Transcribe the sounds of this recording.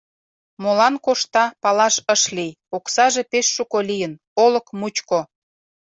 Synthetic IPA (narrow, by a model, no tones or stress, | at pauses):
molɑnkoʃt̪ɑpɑlɑʃəʃlij | oksɑʒepeʃːukolijən | oləkmut͡ɕko